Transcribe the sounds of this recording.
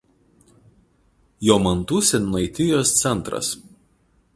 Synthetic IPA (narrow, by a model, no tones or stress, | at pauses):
joːmɐnˑt̪uːsʲɛnɐɪt̪ʲɪjoːst̪sʲɛnˑt̪ɾɐ̰s